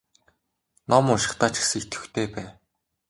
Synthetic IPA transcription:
nɔmʊʃɪ̆χt̪aːt͡ɕxsikt̪ʰɵ̥̆xt̪ʰeːpæː

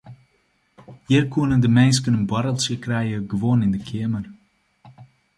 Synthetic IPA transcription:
hiərkuənəndəmɛns̬kənənbɔɾəlˠsjəkrɛjəɡəʋoənɪndəkʰɪəmər

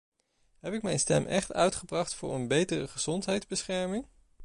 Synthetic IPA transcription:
ɦɛpɪkmɛjnstɛ̰mʔɛχtœ̰ɥtχəbrɑχtfʊ̰ːɹənbejtərəχəz̥ɔntɦɛjdzbəsχɛɹmɪŋ

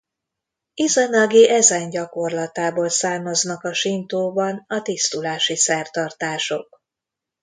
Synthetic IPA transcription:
izɒnɒɡiʔɛzɛnɟɒko̞rlɒt̪aːboːlsaːmɒznɒkɒʃint̪oːbɒnɒt̪ist̪ulaːʃisɛrt̪ɒrt̪aːʃo̞k̚

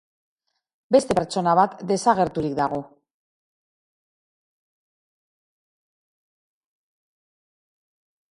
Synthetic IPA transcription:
be̞st̪e̞pe̞ɾt͡ʃo̞naβat̪d̪e̞saɣ̞e̞ɾt̪uɾikd̪aɣ̞o̞

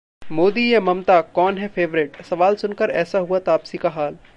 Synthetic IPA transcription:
moːd̪ijamɐmt̪akɔːnɦɛfʰeːʋɾɪʈsɐʋaːlsʊnkəɾɛːsaɦuat̪aːpsikaɦaːl

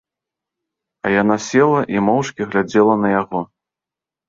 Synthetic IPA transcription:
ɐjan̪asʲɛlˠɐʔimɔwʂkʲiɣlʲad͡zʲɛlˠɐnɐjaɣɔ

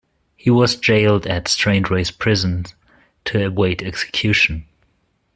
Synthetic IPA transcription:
hiwʌzd͡ʒeɪlˠdɨtstɹ̥ẽɪ̃ndɹeɪspʰɹ̥ɪzə̃n | tʰɨɨweɪɾɛksɨ̥kʰj̥ʉʃn̩

